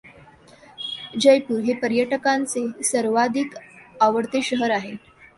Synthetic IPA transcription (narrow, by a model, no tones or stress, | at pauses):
d͡ʑəjpuːɾɦepəɾjəʈəkãnt͡sesəɾʋad̪ʱiːkaʋəɽt̪eɕəɦəɾaɦe